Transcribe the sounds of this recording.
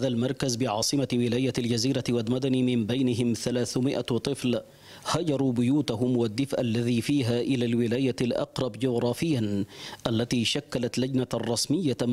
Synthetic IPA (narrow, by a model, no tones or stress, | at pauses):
ðalmɑɾˤkazbɪʕɑːsˤɨmawɪlaːjaald͡ʒaziːɾawalmad̪animɪmbajnɪɦɪmθalaːθmɪʔat̪ˤɨfl | had͡ʒɑɾˤuːbʊjuːt̪aɦʊmwad̪ːɪfʔalːaðiːfiːɦaːʔɪlaːlwɪlaːjalʔɑ̰qɾˤɑbd͡ʒʊɣɾˤɑːfɪjːanʔalːat̪iːʃakːalat̪lad͡ʒnarˤːɑsmɪjːa